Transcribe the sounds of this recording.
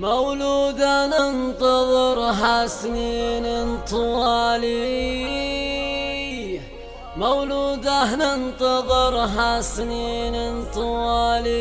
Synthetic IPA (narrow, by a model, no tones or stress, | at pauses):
mawluːd̪anənt̪ˤɑðˤɨɾɦasniːnɪnt̪ʰɨwɑːli | mawluːd̪anɪnt̪ˤɑðˤɨɾɦasninɪnt̪ˤɨwɑːli